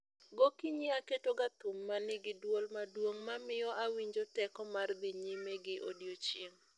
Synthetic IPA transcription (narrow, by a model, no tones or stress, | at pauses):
ɡokiɲiaketoɡat̪ʊmːanɪɡɪdwolmadwoŋmamɪjɔʔawiɲd͡ʒotɛkɔmard̪ɪɲɪmeɡɪʔo̰djot͡ʃjeŋ